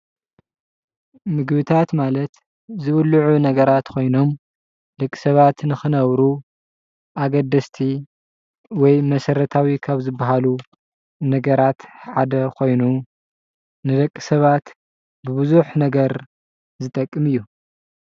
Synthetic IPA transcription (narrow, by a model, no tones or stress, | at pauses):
mɨɡbɨt̪ʰat̪malɐt̪ | zɨβɨlːuʕunɐɡɐɾat̪kʰo̞jno̞m | d̪̥ɐkʼːi̥sɐβat̪nɨxɨnɐβɾu | ʔaɡɐd̪ːɐst̪ʰi | wɔjmɐsɐɾɐt̪ʰawikʰaβzɨbːaɦalu | nɐɡɐɾat̪ħad̪ɐkʰo̞jnu | nɨd̪ɐkʼːɨsɐβat̪ | bɨbɨzuħnɐɡɐɾ | zɨt̪ʼɐkʼːɨmɨjːu